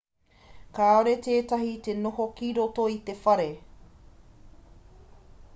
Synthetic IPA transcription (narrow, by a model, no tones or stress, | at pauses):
kaːoɾeteːtɐɦit̪e̞nohokiɾotoit̪e̞fɐɾe